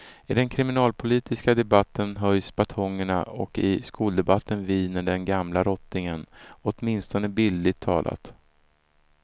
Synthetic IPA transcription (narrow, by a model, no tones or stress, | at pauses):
ɪd̪ɛnkʰɾɪmɪnɑːlpʰʊliːt̪ɪskad̪ɛbat̪ːənɦœjsb̥at̪ʰɔŋːəɳa̰ɔ̰kɪskuːld̪ɛbat̪ːənviːnəɖɛnɡamlaɾɔt̪nɪŋənɔt̪mɪnst̪ɔnəbɪld̪ɪt̪ʰːɑ̰ːlʔa̰t̪